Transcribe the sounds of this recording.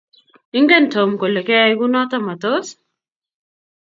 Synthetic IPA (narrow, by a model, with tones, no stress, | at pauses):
ɪ˦ŋɡɛ˦ntʰo˨mko˨le˨kɛ˦jɡu˦nɔ˦t̪a˦ma˨t̪o˦s